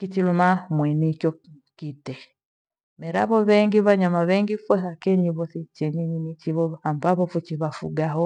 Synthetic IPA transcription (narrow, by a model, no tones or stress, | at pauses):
kit͡ʃilumamwɛnikjɔkitɛ | mɛɾaβɔβɛŋɡiβaɲamaβɛŋɡifɔsakɛɲiβɔsit͡ʃɛnininit͡ʃiβɔambaβɔfɔt͡ʃiβafṵɡaɦɔ